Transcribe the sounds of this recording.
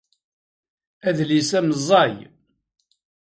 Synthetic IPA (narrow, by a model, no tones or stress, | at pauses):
æðlisæməzˤːɑj